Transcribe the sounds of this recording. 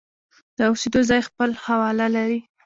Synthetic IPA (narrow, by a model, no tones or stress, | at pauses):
d̪̥əʊsed̪ozɑjxpəlhawɑlalaɾi